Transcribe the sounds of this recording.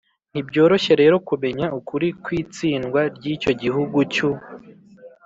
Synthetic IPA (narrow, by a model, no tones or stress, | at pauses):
n̥ibɟo̞ːɾo̞ʃe̞ɾe̞ːɾo̞kume̞ɲaʔukuɾikwiːt͡siːnɡwaɾɟiːt͡ʃo̞ɟiɦuɡut͡ʃu